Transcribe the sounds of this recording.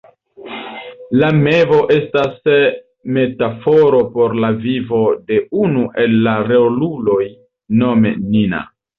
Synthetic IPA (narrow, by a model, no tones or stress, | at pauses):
lame̞vo̞ʔe̞stas | me̞tafo̞ɾo̞po̞ɾlavivo̞de̞unuʔe̞lːaɾeolulo̞j | no̞mḛnina̰